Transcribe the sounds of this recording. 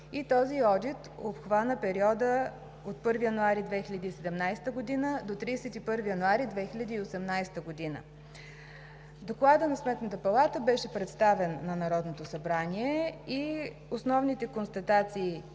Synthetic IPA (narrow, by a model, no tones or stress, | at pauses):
it̪ɔziɔd̪it̪opxvanəpɛɾiɔd̪ə | ot̪̚pɤɾvijɐnuaɾid̪vɛxilʲɐd̪iːsɛd̪ɛmnajst̪əɡod̪inəd̪ot̪ɾiːsɛt̪ipɤɾvijɐnuaɾid̪vɛxilʲɐd̪iːosɛmnajst̪əɡod̪inə̰ | d̪oklˠad̪ənɐsmɛt̪nət̪əpɐlˠat̪əbɛʃɛpɾɛt̪st̪avɛnːɐnɐɾɔd̪not̪osɐbɾaniɛi | osnɔvnit̪ɛkonst̪ɐt̪at̪siː